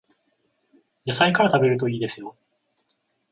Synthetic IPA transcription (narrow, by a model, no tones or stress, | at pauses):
josaikaɾat̪abe̞ɾɯ̟t̪o̞iːd̪e̞sɨjo̞